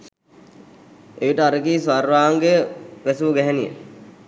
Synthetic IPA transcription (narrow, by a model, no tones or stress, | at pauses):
eiʈəaɾəkiːsʋarʋaːŋɡeʋæsuʋuɡɛɦɛnijə̰